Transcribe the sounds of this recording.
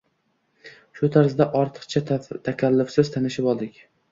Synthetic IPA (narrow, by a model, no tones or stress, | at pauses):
ʃʊt̪ʰaɾzd̪aʔɒɾt̪ʰɨ̥qt͡ʃʰat̪ʰakʲʰalːʊfsɪzt̪ʰanɪʃɪpɒlˠd̪ɪkʲ